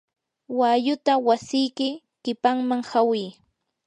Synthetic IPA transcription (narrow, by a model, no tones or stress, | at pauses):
wajʊt̪awasɪjkɪ | kɪpaŋmaŋhawɪj